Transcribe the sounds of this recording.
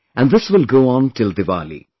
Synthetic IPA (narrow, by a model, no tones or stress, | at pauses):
ʔæ̃nðɪsʋɪlɡoːɔ̃nʈʰɪld̪ɨʋa̰lḭ